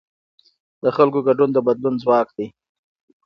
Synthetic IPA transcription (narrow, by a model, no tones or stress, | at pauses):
d̪̥əxalkoɡaɖund̪əbad̪lunzwɑkd̪i